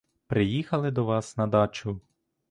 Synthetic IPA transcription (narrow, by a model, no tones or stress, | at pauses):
pɾɪjixɐlˠɪd̪ɔʋɑsnɐd̪ɑt͡ʃʊ